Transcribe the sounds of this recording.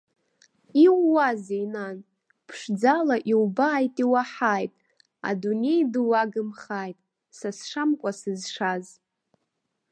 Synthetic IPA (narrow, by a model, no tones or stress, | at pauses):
iwːazejnan | pʰʂd͡zalaʔiwbaːjtʼiwaħaːjtʼ | a̰dune̞jdɨwaɡɨmχaːjtʼ | sasʂamkʷʼasɨzʂaz